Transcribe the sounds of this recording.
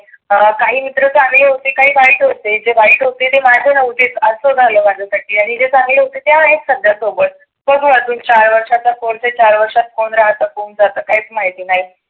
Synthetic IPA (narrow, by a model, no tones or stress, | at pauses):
əkaɦiːmit̪ɾət͡saŋɡleɦot̪ekaɦiːʋaɦiʈɦot̪ed͡zeʋaiːʈɦot̪et̪emad̪ʱənəʋut̪etəsəd͡zʱaləːmaʈləsaʈiːaɽ̃id͡zet͡sãŋɡleɦot̪et̪jaəneksəd̪jasobəɽ̚ | bəɡʱuat̪uːnt͡ɕaɾʋəɾʂat̪akoɽt͡set͡ɕaɾʋəɾʂat̪̚koɳɾaɦt̪əːkond͡zat̪əːkaɦit͡smaɦit̪iːnaɦi